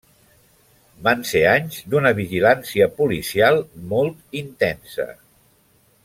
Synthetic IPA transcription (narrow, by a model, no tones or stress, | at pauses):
banseaɲzd̪unəβiʒilansiəpulisialˠmɔlˠt̪int̪ɛnsə̰